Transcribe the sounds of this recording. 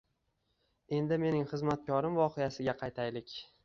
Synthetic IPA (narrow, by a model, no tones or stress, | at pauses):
e̞nd̪ɪme̞nɪŋχɨzmat̪̚kʲʰɒɾɪmvɒqʰejasɪɡʲaqʰɑjt̪ʰajlɪkʲ